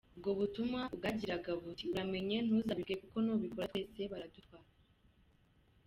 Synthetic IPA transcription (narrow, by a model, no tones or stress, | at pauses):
ubɡo̞βutumŋab̚ɡaɟiɾaɡaβutiuɾame̞ɲe̞n̥uzaβibɡekuko̞noːβikoɾatweːse̞βaɾadufaɾa